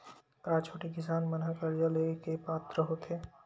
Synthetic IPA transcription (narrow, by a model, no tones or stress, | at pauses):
kaːt͡ʃʰoːʈeɡɪsaːnmənakəɾd͡ʒəlekepaːt̪ɾəɦot̪eː